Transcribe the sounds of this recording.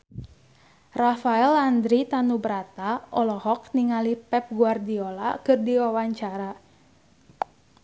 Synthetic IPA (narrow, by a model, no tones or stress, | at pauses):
rafaɛland̪ɾit̪anubəɾat̪aɔlɔhɔkniŋalipɛp̚ɡuardiola̰kɨrdiwawaɲt͡ʃaɾa